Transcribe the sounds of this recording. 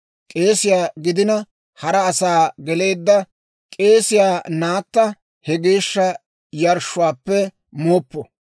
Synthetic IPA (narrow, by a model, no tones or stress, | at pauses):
kʼe̞ːsɪjaːɡɪd̪ɪnɐ | hɐɾɐːsaːɡɛle̞ːd̪ːɐ | kʼe̞ːsɪjaːnaːt̪ːɐ | hɛɡe̞ːʃːɐ | jɐɾʃːʊwaːpːɛ | moːpːɔ